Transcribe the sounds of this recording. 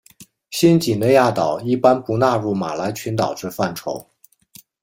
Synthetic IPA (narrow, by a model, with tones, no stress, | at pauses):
ɕi˥nt͡ɕi˨˩ne˥˧ja˥˩t̪ɑ˨˩˦ʊi˥˩pa˥npu˧˥na˥˧ɻu˥˩ma̰˨˩la˧˥ɪt͡ɕʰy˧˥nt̪ɑ˨˩ʊʈ͡ʂɻ̩˥˧fa˥˩nʈ͡ʂʰo˧˥ʊ